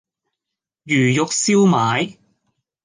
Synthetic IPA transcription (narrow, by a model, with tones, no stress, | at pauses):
jyː˨˩jʊ˨k̚siː˥wmaː˨˧˥j